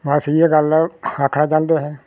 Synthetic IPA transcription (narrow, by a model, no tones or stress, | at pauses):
ʋaːsieːɡəlakʰːnaːt͡ʃãːnd̪eːɦɛː